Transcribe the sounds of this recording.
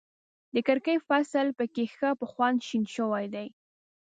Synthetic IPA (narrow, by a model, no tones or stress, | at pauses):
d̪əkaɾkəjfasəlpəkexəpəxwand̪ʃinʃəwajd̪aj